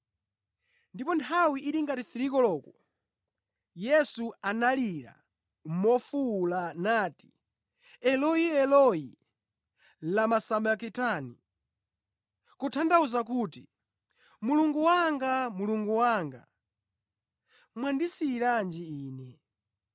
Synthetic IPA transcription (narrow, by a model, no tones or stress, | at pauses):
ndipɔntʰawiʔiɾiŋɡatiθiɾikɔlɔkɔ | jɛsuanaliɾa̰ | mɔfulanaːti̥ | ɛlɔiɛlɔji | lamasamakitani | kutʰandauzakuti | muluŋɡuwaŋɡamuluŋɡuwaŋɡa̰ | mwandisiɾand͡ʒiiːnɛ